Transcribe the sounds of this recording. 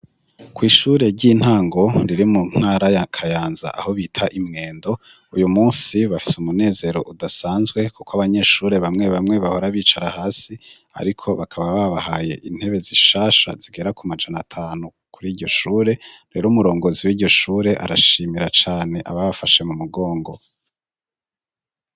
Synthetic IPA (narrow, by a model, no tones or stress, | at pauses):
kwiːʃuːɾe̞ɟin̥haːŋɡo̞ɾiɾimuŋ̥haːɾajakʰajaːnza̰ʔa̰ho̞βiːtʰaʔimŋe̞ːndo̞ | ujumuːsiβafi̥sumune̞ːze̞ɾo̞ʔudasaːnzɡwe̞kukoaβaɲe̞ːʃuːɾe̞βamŋe̞βamŋe̞βaho̞ɾaβiːt͡ʃaɾahaːsi | a̰ɾikʰo̞βakʰaβaβaβahaje̞̰ʔin̥he̞βe̞ziʃaːʃa̰z̥iɡe̞ɾakumad͡ʒanatʰaːnu | kʰuɾiːɾɟo̞ʃuːɾe̞ɾe̞ːɾomuɾo̞ːŋɡo̞ziwiːɾɟo̞ʃuːɾe̞ʔa̰ɾa̰ʃiːmiɾat͡ʃaːne̞ʔaβaβafaʃe̞mumuɡo̞ːŋɡo